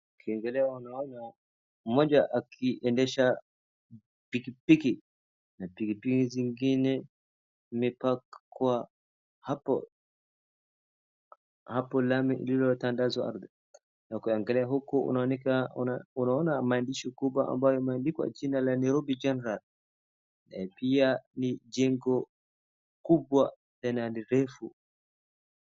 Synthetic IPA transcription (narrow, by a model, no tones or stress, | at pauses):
kʰiɛŋɡɛlɛaunaɔna | m̩mɔd͡ʒaʔakʰiʔɛndɛʃa | pikipiki | napikipikiziŋɡinɛ | mipakkwa | hapɔ̰ | hapɔlamiʔḭlilɔtandazɔa̰ɾðɛ | ɛkɔjaŋɡalɛaɦɔkːɔɔ̰nawanikanaɔnaɔnamandiʃɔkubaʔa̰mbajɔɛmandikwa̰t͡ʃinalanɛɾobid͡ʒɛnɛɾal | ɛ̰pianid͡ʒɛŋɡɔ | kubwa | tɛnaniɾɛfu